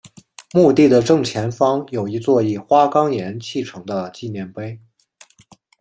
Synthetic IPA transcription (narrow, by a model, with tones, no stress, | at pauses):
mu˥˧t̪i˥˩d̪ə˩ʈ͡ʂɤ˥˩ŋt͡ɕʰjɛ˧˥nfɑ˥ŋjo˨˩ʊi˧˥t͡swɔ˥˧i˥˩xwa˥kɑ˥ŋjɛ˧˥nt͡ɕʰi˥˩ʈ͡ʂʰɤ˧˥ŋd̪ə˧t͡ɕi˥˧njɛ˥˩npe˥ɪ